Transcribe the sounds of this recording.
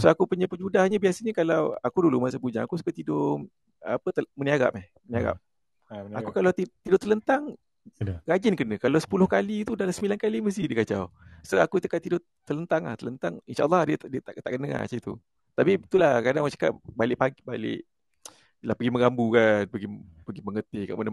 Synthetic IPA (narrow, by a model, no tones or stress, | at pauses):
soakupuɲapəd͡ʒudahɲabiasaɲəkalawakudulumasaəpuɲa̰ŋakus̬u̥kat̪idʊ | apət̪əməniaɣa̰ʔp̚ɛhməniaɣa̰p̚ | akukalawt̪it̪idʊʔt̪ələnt̪aŋ | ɾad͡ʒɪnkənəkalawsə̥pulʊhkalit̪udalasəmilankaliməs̬idikat͡ʃa̰wsoakut̪əkaʔt̪idʊʔ | t̪ələnt̪aŋla̰ht̪ələnt̪aŋinʃa̰ʔɑ̰lˤːɑhdədiət̪aʔt̪aʔkənəa̰t͡ʃit̪ṵ | t̪apit̪ulahkadaŋwat͡ʃḁka̰ʔbalɪʔpaɡibalɪ̰ʔ | lahpəɡimə̃ɡambukanpəɡipəɡiməŋət̪ɪhka̰ʔmana